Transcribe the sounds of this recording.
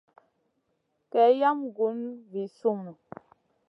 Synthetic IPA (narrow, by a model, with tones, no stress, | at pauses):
kɛ˨˦ja˦mɡu˨˦n˦vi˨su˦˨mu˨